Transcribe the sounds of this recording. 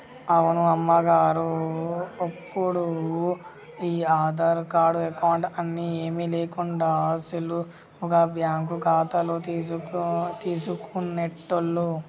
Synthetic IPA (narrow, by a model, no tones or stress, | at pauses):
ɐwunuɐmːɐɡaːɾu | ɐpʰːuɽu | iːaːd̪ɐɾkaːɾɖɾekaːɳɖɐnːieːmileːkuɳɖaːsilu | ɔkɐbjaːŋkuɡaːt̪ɐlu | t̪iːsukuneʈːulːu